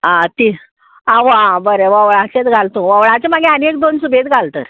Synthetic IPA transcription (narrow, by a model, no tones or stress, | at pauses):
ãt̪i | ãʋəabəɾeʋəʋɭat͡ɕet̪ɡʱalt̪ũʋəʋɭat͡semaɡeənek̚d̪onsubʱet̪ɡʱalt̪ə̰ɾ